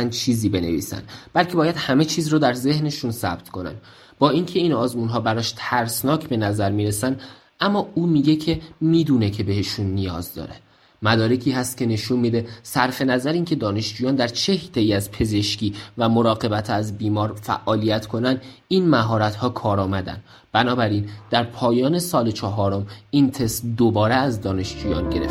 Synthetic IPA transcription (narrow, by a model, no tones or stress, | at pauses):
nd̪t͡ʃʰiːziːbe̞ne̞̰vḭːsæ̰nd̪b̥ælcʰebɒːjæd̪̥hæme̞t͡ʃʰiːzruːd̪æɾze̞hne̞ʃunsæ̰b̥̚t̪kʰo̞næ̰nd̪ | bɒːiŋcʰe̞inɒːzmuːnɦɒːbæɾɒːʃt̪ʰæɾsnɒːcʰbe̞næzæɾmiːɾe̞sænd̪ | ʔæmːɒːuːmiːɟe̞cʰe̞miːd̪uːne̞cʰe̞be̞he̞ʃunːijɒːzd̪ɒ̰ːɾe̞ | mæd̪ɒːɾecʰiːhæst̪̚cʲʰe̞ne̞ʃunmiːd̪e̞sæɾfe̞næzæɾiːnkcʰe̞d̪ɒːne̞ʃd͡ʒuːjɒːnd̪æɾt͡ʃʰe̞hit̪ʰe̞iːæzpʰe̞ze̞ʃciːvæmo̞ɾɒːɣe̞bæt̪ʰæzbiːmɒːɾfæ̰ʔɒːlijæt̪ʰkʰo̞nænd̪iːnmæɦɒːɾæt̪hɒːkʰɒːɾɒːmæd̪æ̰nd̪ | b̥ænɒːbæɾind̪̥æɾpʰɒːjɒːne̞sɒːlet͡ʃʰɒɦɒːɾo̞mint̪ʰe̞sd̪obɒːɾeæzd̪ɒːne̞ʃd͡ʒuːjɒːnɟe̞ɾeft̪